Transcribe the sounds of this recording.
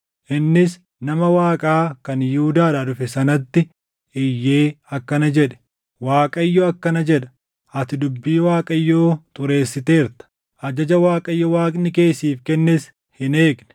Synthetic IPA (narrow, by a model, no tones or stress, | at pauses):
ʔɪnːɪs | nɐmɐwaːkʼaːkɐnjuːd̪aːɾɐd̪ʊfɛsɐnɐt̪ːɪ | ɪjːe̞ːɐkːɐnɐd͡ʒɛᶑɛ̥ | waːkʼɐɪjːoːɐkːɐnɐd͡ʒɛᶑɐ̥ | ʔɐt̪ɪd̪ʊbːiːwaːkʼɐɪjːoːt̪ʊɾe̞ːsːɪt̪e̞ːɾt̪ɐ̥ | ʔɐd͡ʒɐd͡ʒɐwaːkʼɐɪjːɔwaːkʼnɪke̞ːsiːfkɛnːɛs | hɪneːɡnɛ̥